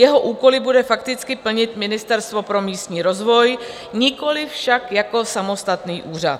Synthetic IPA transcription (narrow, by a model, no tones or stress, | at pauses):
jɛɦo̞ʔuːko̞lɪbudɛfakt̪ɪt͡skɪpl̩ɲɪt̪mɪnɪst̪ɛɾst̪vo̞pɾo̞miːst̪ɲiːɾo̞zvo̞j | ɲɪko̞lɪfʃakjako̞samo̞st̪at̪niːʔuːr̝a̰t̪